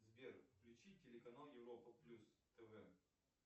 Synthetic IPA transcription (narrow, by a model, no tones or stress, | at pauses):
zbʲerfklʲʉt͡ɕitʲɪlʲɪkɐnalˠjɪvɾopəplʲust̪ɛvɛ